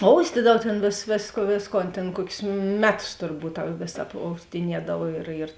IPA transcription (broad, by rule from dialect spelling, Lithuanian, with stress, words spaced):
ˈoːʊsʲtʲiːdɐw ˈtʲeːn ʋʲeːs ʋʲeːsk ˈʋʲeːsˌkoːn tʲeːn ˈkuɔkʲʊs ˈmʲæːˌtʊs tʊrˈbuːt tɐ ˈʋʲeːs ɐpoːʊsʲtʲɪˈnʲiɛdɐw ɪr ɪr